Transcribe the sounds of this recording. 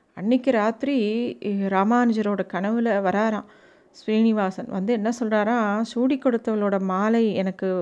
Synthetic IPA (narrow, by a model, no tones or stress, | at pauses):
ɐɳːɪkːɯɾaːt̪ɾiɾaːmaːnɪd͡ʒɐɾoːɽɐkɐɳɐʋɪlɐʋɐɾaːɾãː | sʋiːnɪʋaːsɐnʋɐ̰nd̪ɯɛnːɐsɔlraːɾãːsuːɽikːɔɽɯt̪ːɐʋɐloːɽɐmaːlɐɪɛnɐkːɯ